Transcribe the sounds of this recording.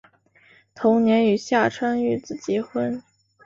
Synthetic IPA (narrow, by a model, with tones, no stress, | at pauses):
t̪ʰʊ˧˥ŋnjɛ˧˥ny˨˩ɕja˥˩ʈ͡ʂʰwa˥ny˥˩t͡sɹ̩˨˩t͡ɕjɛ˧˥xwə˥n